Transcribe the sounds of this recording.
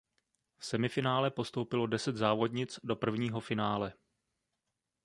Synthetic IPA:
fsɛmɪfɪnaːlɛpo̞st̪o̞wpɪlo̞dɛsɛd̪zaːvo̞dɲɪt͡sdo̞pr̩vɲiːɦo̞fɪnaːlɛ

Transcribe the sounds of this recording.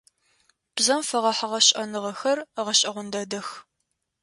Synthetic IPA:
b̥zɐmfɐʁɐħaʁɐɕʼɐnɨʁɐxɐrʁɐɕʼɐʁʷʊndɐdɐx

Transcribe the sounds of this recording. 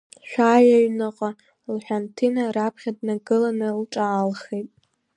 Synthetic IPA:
ʃʷᶣaːɥaɥnaqʼa | lħʷᶣantʰinaɾapʰχʲadnaɡɨlanɨlʈ͡ʂʼaːlχejtʼ

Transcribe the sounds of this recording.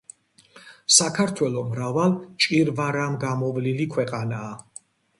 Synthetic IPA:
sakʰaɾt̪ʰwɛlɔmɾavalt͡ʃʼiɾvaɾamɡamɔvlilikʰwɛqʼanaː

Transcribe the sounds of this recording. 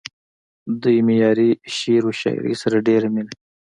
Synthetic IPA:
d̪ujmɪjɑːɾiʃiɾoʃɑ̰j̰ɾḭsaɾaɖeɾamil

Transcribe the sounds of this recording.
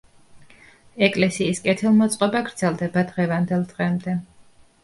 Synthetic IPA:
ɛkʼlɛsiːskʼɛt̪ʰilˠmɔt̪sʼqʼɔbaɡɾd̪z̥ɛlˠd̪ɛbad̪ʁɛvand̪ɛlˠd̪ʁɛmd̪ɛ

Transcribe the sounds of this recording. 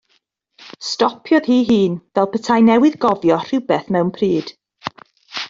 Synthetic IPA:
stɔpʰjɔð̥hiːɦiːnvɛlˠpʰətʰajnɛwɨðɡɔvjɔr̥ɪwbɛθmɛwnpʰriːd̥

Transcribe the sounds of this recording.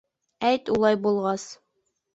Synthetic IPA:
æjt̪ulˠɑjbulˠʁɑs

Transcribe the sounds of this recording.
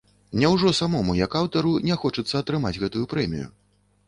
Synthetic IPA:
nʲɛwʐɔsamɔmujɐkawt̪ɐɾunʲɛxɔt͡ʂɐt̪sːɐːt̪ɾɨmad͡zʲɣɛt̪ujupɾɛmʲḭjṵ

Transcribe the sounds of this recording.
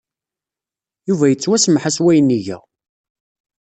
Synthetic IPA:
juvæjət͡sːwæsmħaswæjənːiʝæ̰

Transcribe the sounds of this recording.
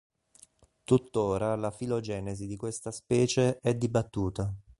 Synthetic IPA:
t̪ut̪ːoːɾalafilod͡ʒɛːnezid̪ikwest̪aspɛːt͡ʃeɛd̪ibat̪ːuːt̪a

